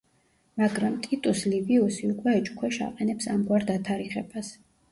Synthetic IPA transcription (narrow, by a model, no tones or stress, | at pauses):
maɡɾamt̪ʼit̪ʼusliviusiukʼwɛːt͡ʃʼkʰwɛʃa̰qʼɛnɛpsamɡwaɾd̪at̪ʰaɾiχɛbas